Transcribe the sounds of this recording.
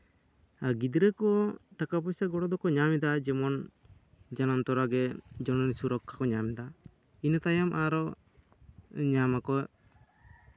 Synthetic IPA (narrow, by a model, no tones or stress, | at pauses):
aɾɡid̪ɾɛkɔʈakapɔsaɡɔɽɔd̪ɔkɔɲamɛd̪ad͡ʒɛmɔn | d͡ʒanamt̪ɔɾaɡɛd͡ʒɔnɔnsuɾɔkʰːakɔɲamɛd̪a | inat̪ajamʔaɾɔ | ɲamakɔ